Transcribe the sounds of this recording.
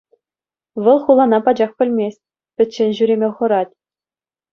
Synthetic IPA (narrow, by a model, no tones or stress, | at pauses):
ʋɤ̆lˠχulˠɑnɑpɑd͡ʑɑχkʲɘ̆lʲmʲesʲt̚ʲ | pʲɘ̆t̪ʲt͡ɕːenʲʑyɾʲemʲeχɤ̆ɾɑtʲ